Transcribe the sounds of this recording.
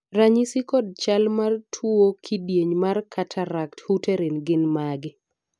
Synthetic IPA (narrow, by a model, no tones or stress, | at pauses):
raɲisikɔdt͡ʃalmartʰuokʰidjeɲmarkʰatʰaɾakthuteɾenɡɪnmaɡɪ